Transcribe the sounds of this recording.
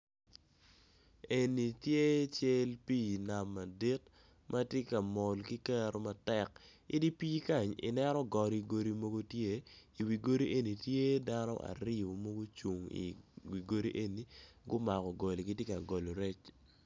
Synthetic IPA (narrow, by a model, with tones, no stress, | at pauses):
e˨ni˨tje˦t͡ʃe˦lpi˦˨na˨mːa˨di˦t | mʔa˦tje˦ka˨mɔ˨lki˦kɛ˦ɾo˦ma˨tɛ˦kɪ˦di˦pi˦ka˦˨ɲɪ̰˨nɛ˦ɾɔ˦ɡɔ˨ɾi˨ɡo˨ɾi˨mo˦ɡo˦tje˦i˨wi˨ɡo˦ɾi˦ʔe˦ni˨tje˦da˦nɔ̰˦ʔa̰˨ɾɪ˦o˨mo˦ɡo˦t͡ʃu˨ŋḭ˨wi˨ɡo˦ɾi˦ʔe˦ni˨ | ɡʊ˦ma˨kɔ˨ɡɔ˨li˨ki˦tje˦ka˨ɡo˨lo˨ɾe˦t͡ʃ